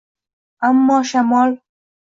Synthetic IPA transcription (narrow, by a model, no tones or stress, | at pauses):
amːɑːʃamɑl